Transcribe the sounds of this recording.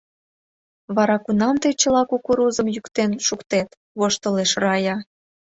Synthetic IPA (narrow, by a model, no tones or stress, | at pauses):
βɑɾɑkunɑmt̪əjt͡ɕə̆lɑkukuɾuzəmjykt̪enʃukt̪et̪ | βoʃt̪əleʃrɑjɑ